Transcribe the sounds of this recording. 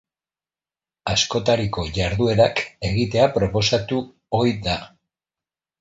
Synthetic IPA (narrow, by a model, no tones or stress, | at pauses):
asko̞t̪aɾiko̞ʝaɾðue̞ɾake̞ɣit̪e̞apɾo̞po̞sat̪u | o̞jða